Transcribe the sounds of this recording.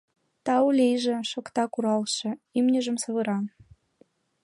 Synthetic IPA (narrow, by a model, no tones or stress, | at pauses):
t̪ɑulʲejʒĕʃokt̪ɑkuɾɑlʃɤ̆imnʲəʒə̆msɤ̆βə̆ɾɑn